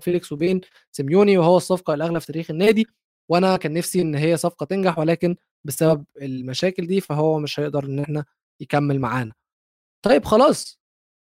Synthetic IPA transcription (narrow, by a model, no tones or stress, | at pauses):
felekswebeːn | semjuːniwehowːæsˤːɑfqɑelʔæɣlæfi̥t̪æɾiːxenːæːd̪i | weʔænækæːnːæfsiʔenːɦejːæsˤɑfqɑt̪enɡaħwelæːken | besæbæb̚elmæʃæːkeld̪iːfæɦowːæmeʃhæjeʔd̪ɑɾˤʔenːʔeħnæ | jekæmːelmaʕaːnæ | t̪ˤɑjːebxɑlɑːsˤ